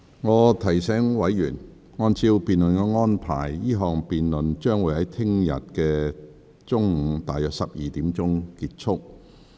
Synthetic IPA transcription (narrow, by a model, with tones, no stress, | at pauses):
ŋɔː˨˧t̪ʰɐ˨˩jsɛː˨˥ŋwɐ˨˥jːyː˨˩n | ŋɔː˧nt͡sʰiː˧wpiː˨nlɵ˨nkɛː˧ŋɔː˥npʰa̰ː˨˩jjiː˥ɦɔː˨ŋpiː˨nlɵ˨nt͡ʃœː˥ŋwuː˨˧˥hɐ˨˥jt̪ʰɪ˥ŋjɐ̰˨t̚kɛː˧ | t͡sʊ˥ŋŋ̩˨˧˥t̪aː˨jœː˨k̚sɐ˨p̚jiː˨˩t̪iː˨˥mt͡sʊ˥ŋkiː˧t̚t͡ʃʰʊ˥k̚